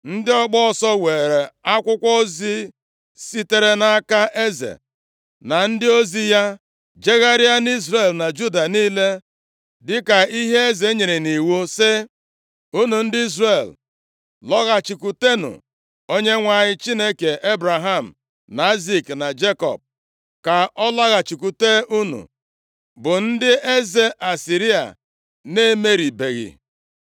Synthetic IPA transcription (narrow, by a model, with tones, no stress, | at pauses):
n̩˦dɪ˦ɔ˦ɡ͡bɔ˦ɔ˨sɔ˦we˨ɾe˨a˦kʷʊ˦kʷɔ˦o˦zi˦ | si˦te˦ɾe˦na˦a˦ka˦ʔe˦zḛ˨ | na˨n̩˦dɪ˦o˦zi˦ja˦ | d͡ʒe˦ɣa˦ɾɪ˦a˦ni˦zɾe˨lna˨d͡ʒu˦da˨niː˦le˦ | dɪ˦ka˨i˦ɦe˦e˦ze˨˦ɲe˨ɾe˨ni˨wu˦sɪ˦ | u˦nu˨n̩˦dɪ˦i˦z̬re˨l | lɔ˦ɣa˨t͡ʃi˨ku˨te˦nʊ̰˨ | o˦ɲe˦ŋʷa˨ɲɪ˦t͡ʃi˦ne˦ke˨e˦bɾa˨ɦa˦˨m̩˨ | na˨i˦zi˦kna˨d͡ʒe˦kɔ̰˨b̚ | ka˨ɔ˦la˦ɣa˨t͡ʃi˨ku˨te˦u˦nṵ˨ | bʊ˨n̩˦dɪ˦e˦ze˨ʔa˨si˨ɾi˦a̰˨ | ne˦me˦ɾi˨be˨ɣɪ̰˨